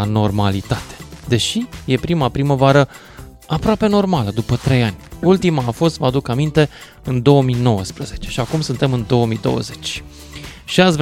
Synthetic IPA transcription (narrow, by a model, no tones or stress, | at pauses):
no̞rmalit̪at̪ed̪e̞ʃije̞pɾimapɾiməvaɾə | apɾoape̞no̞rmaləd̪upət̪ɾe̞janʲult̪imaːfo̞st̪vad̪ukamint̪e̞ | ɨnd̪o̞omino̞wəspɾəze̞t͡ʃe̞ʃiakumsunt̪e̞mɨnd̪o̞omid̪o̞̰wə̰ze̞t͡ʃʲ | ʃiasv